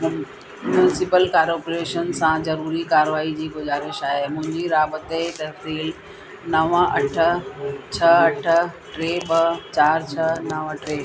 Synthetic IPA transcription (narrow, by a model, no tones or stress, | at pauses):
mʊnɪsɪpəlkaːɾoːpoɾeːʃənsãzɐɾuːɾikaːɾʋaːid͡ʑiːɡʊzaːɾɪʃaːɦemʊ̃ɦɪ̃ɲd͡ʑiɾaːbət̪et̪ɐɦsiːl | nɐʋəɐʈʰə̆t͡ɕʰɐɐʈ̆ʰʈɾeːbɐt͡ɕaːɾt͡ɕʰɐnɐʋʈɾeː